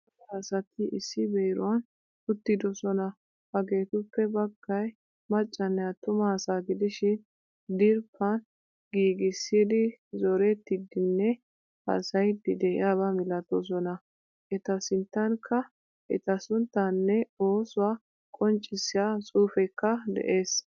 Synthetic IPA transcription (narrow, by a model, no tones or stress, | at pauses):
asɐt̪ɪʔɪsːɪbeːɾʊ̰wɐn | ʊt̪ːɪd̪ɔsɔnɐ | hɐɡe̞ːt̪ʊpːɛbɐɡːɐj | mɐt͡ʃʼːɐnːɛɐt̪ːʊmɐsaːɡɪd̪ɪʃɪn | d̪ɪɾpːɐn | ɡiːɡɪsːiːd̪ɪzɔɾɛt̪ːɪd̪ɪnːɛ | hɐ̰sɐjd̪ɪd̪ɛɪ̰jaːβɐmɪlɐt̪ɔs̬ɔnɐ | ʔɛt̪ɐsɪnt̪ːɐŋkʰːɐ | ʔɛ̰t̪ɐsʊnt̪ːɐnːɛo̞ːsʊwaː | kʼɔnt͡ʃʼːɪsːɪjasʼuːfɛkːɐd̪ɛ̰ʔe̞ːs